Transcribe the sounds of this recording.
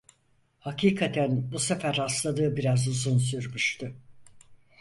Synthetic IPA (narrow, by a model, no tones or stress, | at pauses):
hakiːkʰat̪ʰænbusefæɾːaslˠad̪ɯːbiɾazuzuns̬yɾmuʃt̪ʰʊ